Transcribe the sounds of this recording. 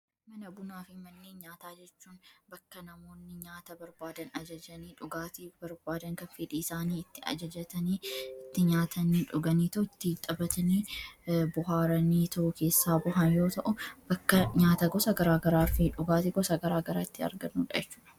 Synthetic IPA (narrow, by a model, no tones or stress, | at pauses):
mɐnɐbʊnaːfɪmɐnːeːɲaːt̪aːd͡ʒɛt͡ʃːuːnbɐkːɐnɐmo̞ːnːɪɲaːt̪ɐbɐɾbaːd̪ɐnɐd͡ʒɐd͡ʒɐniːᶑʊɡaːt̪ibɐɾbaːd̪ɐŋkɐfiːᶑiːɪsaːniːɪt̪ːɪɐ̰d͡ʒɐd͡ʒɐt̪ɐniːɪt̪ːɪɲaːt̪ʰɐniːᶑʊɡɐniːt̪ɐʊɪt̪ːɪt̪ʼːɐbɐt̪ɐniːbʊɦaːɾɐniːt̪ɐʔʊke̞ːsːaːbʊɦɐnjo̞ːt̪ɐʔʊb̥ɐkːɐɲaːt̪ɐɡɔsɐɡɐɾaːɡɐɾaːfɪᶑʊɡaːt̪ɪɡɔsɐɡɐɾaːɡɐɾaːɪt̪ːɪɐ̰ɾɡɐnːuːᶑɐd͡ʒɛt͡ʃːuːᶑɐ̥